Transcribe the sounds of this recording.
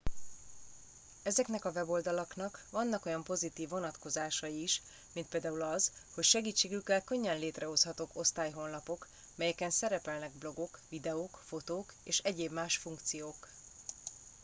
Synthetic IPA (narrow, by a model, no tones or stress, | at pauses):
ɛzɛknɛkɒvɛbo̞ld̪ɒlɒkn̪ɒkʋɒnːɒko̞jɒmpo̞zit̪iːvːo̞nɒt̪ko̞zaːʃɒjiːʃ | mint̪peːld̪aːulɒzho̞cʃɛɡiːt͡ʃːeːɡykːɛlkø̞ɲːɛnleːt̪rɛɦo̞shɒt̪oːko̞st̪aːjɦo̞nlɒpo̞k | mɛjɛkɛnsɛɾɛpɛlnɛɡ̚blo̞ɡo̞kvid̪ɛoːkfo̞t̪oːkeːʃɛɟeːbmaːʃfuŋkt̪sijoːk